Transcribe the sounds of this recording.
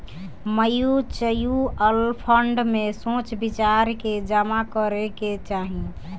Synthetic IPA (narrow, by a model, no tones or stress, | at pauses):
məjut͡ʃəjuəlpʰəɳɖmesõt͡ʃbit͡ʃaɾked͡ʒamakəɾeket͡ʃaɦĩ